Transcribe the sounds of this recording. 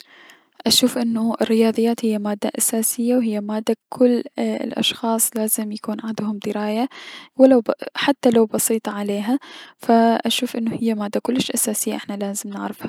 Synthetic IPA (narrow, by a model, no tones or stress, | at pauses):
ʔaʃuːfʔɪnːʊʔɪrːɪjɑːðˤɨjːaːt̪hɪjːamaːd̪ːaʔasaːsɪjːawɦɪjːamaːd̪ːakʰʊl̰ːlʔɑ̰ʃxɑːsˤlaːzɪmjakuːnʕɪnd̪hʊmd̪ɪɾaːjawɪlawħat̪ːalawbɑsiːt̪ˤɑʕaleːɦafaʔaʃuːfʔɪnːʊhɪjːamaːd̪ːakʊlːɪʃʔasaːsɪjːaʔɪħnalaːzɪmnɪ̰ʕɾɪfha